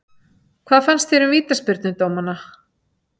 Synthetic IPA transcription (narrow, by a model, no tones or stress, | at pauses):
kʰvaːðfanst̪θfejɾʏmviːt̪aspɪɾt̪nʏt̪oːwmanːa